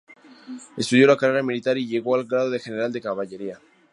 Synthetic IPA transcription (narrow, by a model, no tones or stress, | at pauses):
e̞st̪uðjo̞lakareɾamilit̪aɾiʝe̞ɣ̞o̞alɡɾað̞o̞ðe̞xe̞neɾald̪e̞kaβaʎe̞ɾia